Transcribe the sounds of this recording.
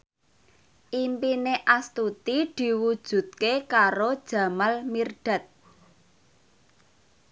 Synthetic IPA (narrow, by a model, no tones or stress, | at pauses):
ʔimpineʔast̪ut̪id̪̥i̤wud̥ʒ̥ṳt̪̚kekaɾod̥ʒ̥ä̤malmirɖ̥a̤t̪̚